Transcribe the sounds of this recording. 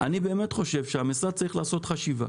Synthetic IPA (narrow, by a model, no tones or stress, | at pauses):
ʔanibe̞ːme̞tχo̞ʃe̞vʃeamisʁad̪̚t͡saʁiχlaːso̞t̪χaʃiva̰